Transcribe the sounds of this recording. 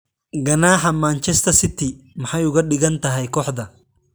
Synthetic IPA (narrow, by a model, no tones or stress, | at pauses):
ɡɐnaːħɐmaːnt͡ʃɛst̪ʰɐsɪt̪ɪmɐħajʊɣɐɗɪɣɐnt̪ɐɦɛjkɔːħd̪ɐ